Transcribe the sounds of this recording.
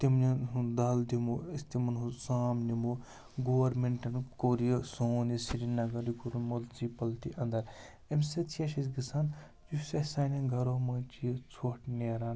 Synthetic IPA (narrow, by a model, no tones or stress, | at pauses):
t̪imnɐɦud̪aːld̪imoːɐst̪imɐnɦusaːmnimo | ɡoːʋɐɾmeɳʈɐnkoːɾijɐsoːnisiɾinɐɡɐɾikoɾmult͡sipɐlt̪iʔɐnd̪ɐɾ | emsɐt̪ʰijɐʃɐsɡisaːn | d͡ʒusɐsaːnɐɡʱɐɾoːmɐt͡ʃijɐt͡sʰoʈneɾan